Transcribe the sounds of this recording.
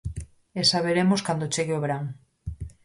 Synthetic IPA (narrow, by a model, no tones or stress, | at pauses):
esaβ̞eɾemoskand̪ot͡ʃeɣeoβeɾaŋ